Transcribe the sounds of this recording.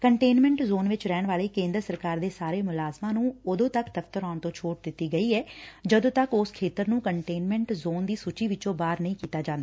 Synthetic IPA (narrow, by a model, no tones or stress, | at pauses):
kəɳʈeːnmɛ̃ɳʈzoːnʋɪt͡ʃɾɛːɳʋaːleːkẽːnd̪əɾəsəɾkaːɾd̪eːsaːɾeːmʊlaːzmãːnũːʊd̪õːt̪əkd̪əft̪əɾaːɳt̪õːt͡ʃʰoːʈ̚d̪ɪt̪ːiːɡəiːɛːd͡ʒəd̪õːt̪əkʊskʰeːt̪əɾnũːkəɳʈeːnmɛ̃ɳʈzoːnd̪iːsuːt͡ʃiːʋɪt͡ʃõːbaːɾnəĩːkiːt̪aːd͡ʒãːnd̪aː